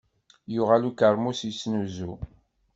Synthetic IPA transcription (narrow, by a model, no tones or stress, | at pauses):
juʁalukəɾˤmusisnuzu